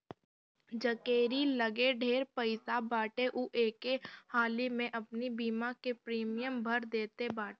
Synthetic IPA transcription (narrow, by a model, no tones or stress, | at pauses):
d͡ʒəkeːɾiləɡeɖʱeːɾpəɪsabaːʈeʔuʔeːkehaːlimẽʔɐpnibiːmakepɾiːmɪjəmbʱɐɾd̪eːt̪ebaːʈe